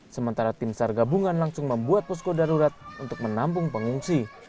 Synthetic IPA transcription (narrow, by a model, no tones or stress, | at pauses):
səmənt̪aɾat̪ɪmsarɡabuŋanlaŋsʊŋməmbuat̪̚pɔs̬kodaɾuɾat̪̚unt̪ʊk̚mənampʊŋpəŋuŋsi